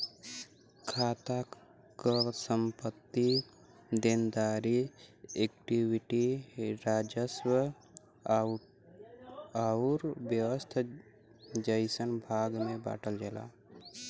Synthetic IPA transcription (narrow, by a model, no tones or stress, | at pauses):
kʰaːt̪a | kəsəmpət̪ːi | d̪end̪aːɾiekʈiwiʈiɾaːd͡ʒəswə | aɾbjəʋəst̪ʰa | d͡ʒəjsənbʱaːɡmẽba̰ːʈʰəld͡ʒɛla̰